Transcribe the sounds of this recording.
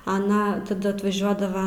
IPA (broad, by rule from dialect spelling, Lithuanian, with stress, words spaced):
ɐˈnɐ tɐˈdɐ ɐtʋɐˈʒʲuɔdɐʋɐ